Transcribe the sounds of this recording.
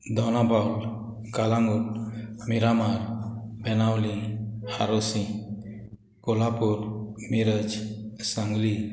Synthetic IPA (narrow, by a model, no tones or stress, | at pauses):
d̪ɔwnabawl | kalaŋutmiɾamaɾbɛnawliha̰ɾɔsĩ | kɔlapuɾmiɾəd͡ʒsaŋɡli